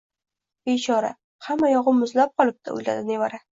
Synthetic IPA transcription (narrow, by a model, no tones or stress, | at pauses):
bet͡ʃʰɒɾa̰ | hamːajɒʁɨmːʊzlap̚qʰɒlˠɪp̚t̪ʰa̰o̰jla̰d̪ɪnevaɾa